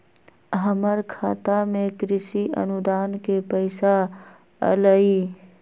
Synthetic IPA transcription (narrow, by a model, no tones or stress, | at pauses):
ɦəməɾkʰaːt̪amẽkɾɪsiʔə̰nʊd̪aːnkepəɪsa | ə̰ləiː